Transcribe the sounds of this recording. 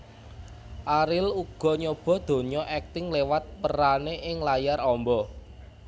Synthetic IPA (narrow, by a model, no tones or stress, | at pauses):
ʔaɾɪluɡ̥ɔ̤ɲob̥ɔ̤d̪̥o̤ɲɔʔɛk̚t̪ɪŋlewat̪̚pəɾaneʔɪŋlajarɔmbɔ